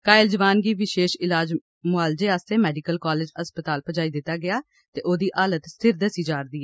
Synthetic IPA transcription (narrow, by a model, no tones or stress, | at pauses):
kaːɪld͡ʒəʋaːnɡiːʋɪʃeːʃɪlaːd͡ʒ | mʊaːld͡ʒeːaːst̪eːmɛːɖɪkəlkaːleːd͡ʒəspət̪aːlpəd͡ʒaːiːd̪ɪt̪ːaːɡɪaː | t̪eːʔoːd̪iːʔaːlət̪st̪ʰɪɾd̪əsiːd͡ʒaːɾd̪iːɦɛː